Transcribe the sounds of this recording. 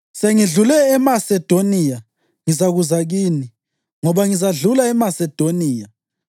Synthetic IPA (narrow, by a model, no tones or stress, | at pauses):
seŋiɮulɛːmasɛd̥ʱonija | ŋizaɣuzaɣiːni | ŋɔβaŋizaɮulaɛmasɛd̥ʱoniːja